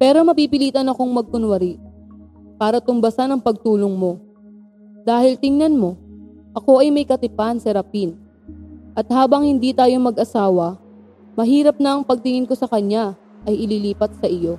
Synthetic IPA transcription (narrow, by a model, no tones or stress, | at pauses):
pɛːɾo̞mɐpiːpɪliːt̪ɐnɐko̞ŋmɐɡ̚kʊnwɐɾiʔ | paːɾɐt̪ʊmbɐsɐnɐŋpɐɡ̚t̪uːloŋmo̞ | d̪aːhɪlt̪ɪŋnɐnmo̞ | ʔɐko̞ʔɐjmɐjkɐt̪ɪpansɛɾɐpin | ʔɐt̪̚haːbɐŋhɪnd̪iːt̪aːjo̞mɐɡʔɐsaːwɐ | mɐɦiːɾɐp̚nɐʔɐŋpɐɡ̚t̪ɪŋɪnko̞sɐkɐɲa | ʔɐjɪliːliːpɐt̪̚sɐʔɪjo̞